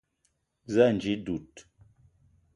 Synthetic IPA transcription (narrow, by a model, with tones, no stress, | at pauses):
za˦˨n˨d͡ʒi˦du˨t̚